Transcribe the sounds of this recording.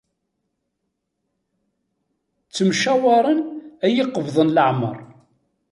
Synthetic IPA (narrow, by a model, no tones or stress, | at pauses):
t͡sːəmʃæwɑɾˤənæjiqːəvðˤənləʕmə̰ɾˤ